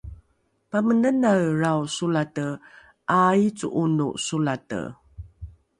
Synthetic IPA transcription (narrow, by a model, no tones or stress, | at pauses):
pamənənaɭrawsulatə | ʔajt͡sṵʔunṵsulatə̰